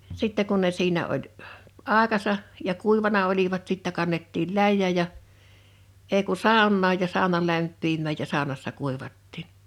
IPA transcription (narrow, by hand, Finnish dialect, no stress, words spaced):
sitːɛ kun ne siːnæ olʲ h ɑˑekɑsɑ jɑ kuˑiʋɑnɑ oliʋɑt sitːæ kɑnːetːil læjːæˑj̊̆ jɑ eˑi ku sɑˑonːɑːj jɑ sɑˑonɑ læmpːimːæˑj jɑ sɑˑonɑsːɑ kuˑiʋɑtːiːn